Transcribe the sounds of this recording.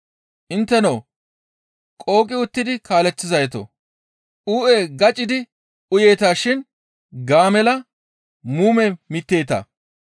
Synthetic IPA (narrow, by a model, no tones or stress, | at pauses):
ʔɪnt̪ːɛnɐː | kʼo̞ːkʼɪʊt̪ːɪd̪ɪkaːlɛt͡sːɪzɐjt̪o̰ | ʔuːʔeɡɐt͡ʃʼːɪd̪ɪ | ʊjeːt̪aːʃɪn | ɡaːmɛlɐ | muːmɛmɪt̪ːe̞ːt̪ɐ̰